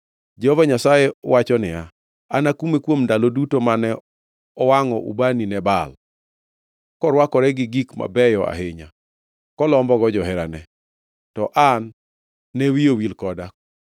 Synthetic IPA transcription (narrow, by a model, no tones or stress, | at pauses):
d͡ʒɛhɔvaɲasajewat͡ʃɔnɪa | anakumekwomndalodutomanɛ | ɔwaŋɔʔṵbaninɛbal | kɔɾwakɔɾɛɡɪɡikma̰bɛjɔa̰hɪɲa | kɔlɔmbɔɡɔd͡ʒɔɦɛɾanɛ | tɔʔanː | ewijowilkɔdak